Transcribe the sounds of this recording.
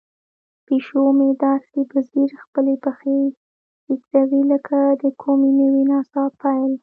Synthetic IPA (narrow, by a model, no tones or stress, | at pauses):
peʃomed̪ɑɾsibaziɾxpəlebaxe | hikzawiləkʰad̪əkʰominəwinɑsɑpʰajl